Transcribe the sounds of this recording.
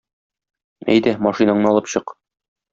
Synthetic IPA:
æ̰jd̪æmɑʃinɑɴɤɒlˠɤpɕɤq

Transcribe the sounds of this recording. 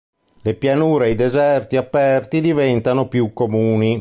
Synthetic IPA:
lepjanuːɾeejd̪ezɛrt̪iapːɛrt̪id̪ivɛnt̪anopjukːomuːni

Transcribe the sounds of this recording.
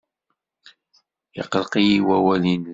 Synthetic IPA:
ɪ̰qəlqijiwæwælin

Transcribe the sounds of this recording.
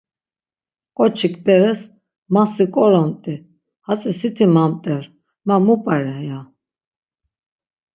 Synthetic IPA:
kʼɔt͡ʃʰikʰʼbɛɾɛs | masikʼɔɾɔmt̪ʼi | hat͡sʼisit̪ʰimamt̪ʼɛɾ | mamupʼaɾɛja

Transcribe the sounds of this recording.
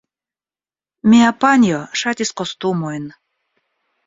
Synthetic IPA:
mʲeapanʲjoʃat̪ʲiskost̪umojn

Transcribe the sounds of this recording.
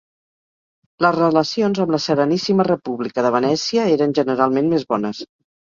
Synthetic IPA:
ləzrələsionzəmləsəɾənisimərəpuβlikəðəβənɛsiəeɾənʲʒənəɾalˠmenmezβɔnəs

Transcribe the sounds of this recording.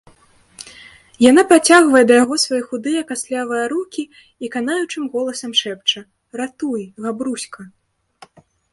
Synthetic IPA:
jan̪apɾat͡sʲaɣvɐjɛd̪ɐjaɣɔsvajɛxud̪ɨjɐkasʲlʲavɨjɐɾukʲi | ikanajut͡ʂɨmɣɔlˠɐsɐmʂɛp̚t͡ʂɐ | ɾat̪ujɣabɾusʲkɐ

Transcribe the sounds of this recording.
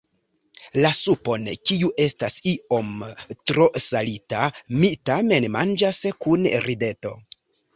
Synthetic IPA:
lasupo̞nkiuʔe̞stasio̞mtɾo̞salitamitame̞nmand͡ʒaskunɾide̞to̞̰

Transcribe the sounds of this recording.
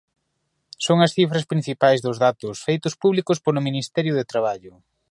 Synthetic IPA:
soŋɐsθifɾɐspɾĩn̟θipajzðʊzðat̪ʊsfejt̪ʊspuβlikʊspolʊminist̪ɛɾjʊðet̪ɾaβ̞aʎʊ

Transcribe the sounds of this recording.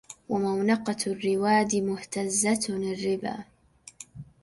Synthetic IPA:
wamawnɑqɑrːɪwaːd̪ɪmʊht̪azːat̪lɪrːɪba̰ː

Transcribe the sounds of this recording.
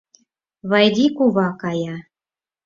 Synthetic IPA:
βɑjd̪ʲikuβɑkɑjɑ

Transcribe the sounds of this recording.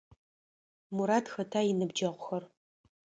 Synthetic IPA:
muɾaːtxɐtʰaːjɪnɨbd͡ʒɐʁʷʊxɐr

